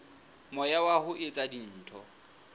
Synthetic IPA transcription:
mɔjawahʊʔɪt͡sʼadin̩ːtʰɔ̰

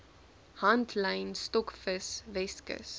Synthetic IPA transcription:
hɐntʰləjnstɔkfəsvɛskə̰s

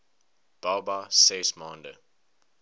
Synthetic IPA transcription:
b̥abasesmãndə̰

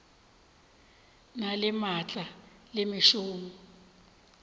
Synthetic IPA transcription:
nalɪmat͡ɬʼa | lemiʃuːmu

